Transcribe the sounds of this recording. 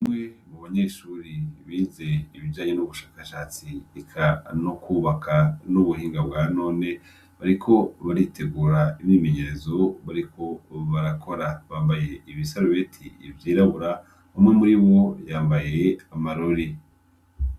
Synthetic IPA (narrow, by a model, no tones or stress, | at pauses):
imŋe̞muβaɲeʃuɾiβiːze̞iβiɟaːɲe̞nuβuʃaːkaʃaːt͡siekʰanokʰuβakʰanuβuɦiːŋɡabɡaːno̞ːne̞ | βaɾikʰo̞βaɾitʰe̞ɡuːɾaiβime̞ɲeɾezo̞βaɾikʰo̞βaɾakʰo̞ɾaβaːmbaje̞iβisaɾuβetʰiivjiːɾaβuɾa | βamŋe̞muɾiβo̞jaːmbaje̞amaɾoɾi